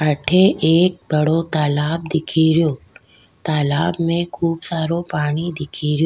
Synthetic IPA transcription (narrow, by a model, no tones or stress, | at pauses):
ɐʈʰeʔeːk̚bɐɽot̪aːlaːb̚d̪ɪkʰiɾɪjoː | t̪aːlaːbmẽkʰuːbsaːɾopaːɽ̃id̪ɪkʰiːɾɪjoː